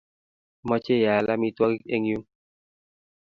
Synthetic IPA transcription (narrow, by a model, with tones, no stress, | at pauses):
mɔ˦t͡ʃe˦˨ja˨la˦mi˧twɔ˦ki˦e˦ŋju˦ŋ